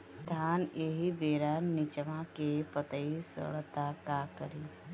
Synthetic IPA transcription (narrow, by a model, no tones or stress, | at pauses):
t̪ʰaːneːɦibeːɾanːɪt͡ʃəʋãkepət̪əisə̰ɽt̪akakəɾiː